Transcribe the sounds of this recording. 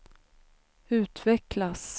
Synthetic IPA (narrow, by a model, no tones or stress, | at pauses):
ʉ̟ːt̪vɛklas